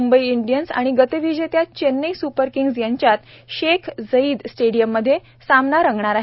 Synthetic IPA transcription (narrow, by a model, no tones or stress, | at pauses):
umbəiiɳɖijənsa̰ɽ̃iɡət̪əʋid͡ʑet̪jat͡ɕenːəisupəɾkiŋɡsjaɲt͡ɕjat̪ | ɕekʰzəiːd̪sʈeɽijəmːəd̪ʱːje | samnaɾəŋɡɳaɾaɦe